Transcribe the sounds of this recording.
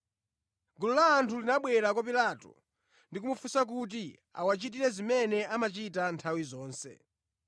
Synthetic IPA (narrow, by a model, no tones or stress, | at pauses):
ɡululaːntʰulinaɓwɛɾak̬wap̬ilatɔ̰ | ndik̬umufusak̬ut̬i | a̰wat͡ʃit̬iɾɛzimɛnɛamat͡ʃitantʰawizɔːnsɛ̰